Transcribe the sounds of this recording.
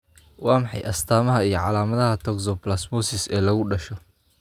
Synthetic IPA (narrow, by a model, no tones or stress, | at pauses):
wɑːmɑħɑjʔɐst̪ʰaːmɐɦɐijɞʕɑ̰laːmɐðɐɦɐt̪ʰɔɡsɔplasmɔsɪsɛːlɐɣʊɖɐʃɔ